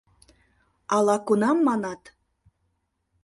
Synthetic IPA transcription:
ɑlˠɑkunɑmːɑnɑt̪

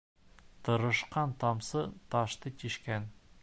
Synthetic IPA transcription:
t̪ʰɤ̆ɾɤ̆ʃqɑnt̪ɑmsɤt̪ɑʃt̪ɤtʲiʃkæn

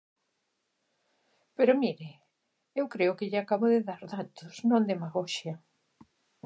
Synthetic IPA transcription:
peɾʊmiɾɪ | ewkɾeʊkɪʎɪakaβʊðɪðaɾðat̪ʊsnõnd̪emaɣɔʃjɐ

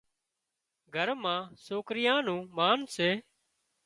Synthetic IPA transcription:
ɡʱəɾmãːsoːkɾɪjãːnũːmaːnseː

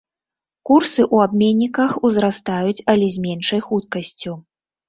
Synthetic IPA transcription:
kursɨʔuabmʲenʲːikɐxuzɾast̪ajut͡sʲɐlʲɛzʲmʲenʂɐjxut̪kɐsʲt͡sʲu

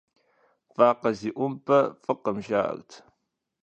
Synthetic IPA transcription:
faːqɐziːʔʷʊmpʰɐfɨqəmʒaːʔɐ̰ɣtʰ

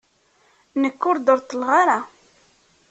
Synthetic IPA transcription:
nəkːʊɾd̪əɾt̪ːəlʁaɾa

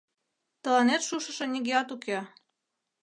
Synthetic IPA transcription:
t̪ɤ̆lɑnet̪ʃuʃɤ̆ʃɤ̆nʲiɡeɑt̪uke

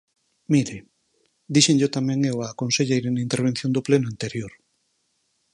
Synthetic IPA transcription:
miɾe | d̪iʃeŋʎot̪amɛ̃ŋewaːkonseʎejɾenaint̪eɾβ̞enθjõnd̪oplenʊant̪eɾjoɾ

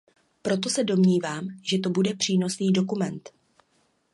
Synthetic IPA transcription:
pɾo̞t̪̬o̞sɛdo̞mɲiːvaːmʒɛt̪o̞budɛpr̝̥iːno̞sniːdo̞kumɛnt̪

